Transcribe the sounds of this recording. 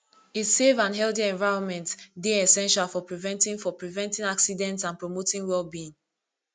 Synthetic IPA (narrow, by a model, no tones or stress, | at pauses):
itsevãnɦɛldiɛ̃ɱvaɪɹɔ̃nmɛ̃ntdeɛsɛ̃nʃalˠfɔpɹivɛ̃ntĩŋfɔpɹivɛ̃ntĩŋaksidɛ̃ntsãnpɹomotĩŋwɛlˠbĩŋ